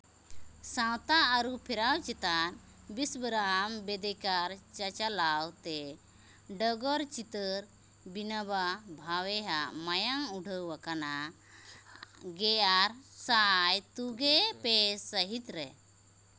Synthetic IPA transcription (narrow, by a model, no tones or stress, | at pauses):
sãwt̪aːɾupʰiɾawt͡ʃɛt̪an | bisbɾambed̪ɛkaɾt͡ʃat͡ʃalawt̪e | ɖɔɡɔɾt͡ʃit̪əɾ | binababʱawɛɦamajaŋuɖʱəwakana | ɡɛaɾsajt̪uɡepesəɦit̪ɾɛ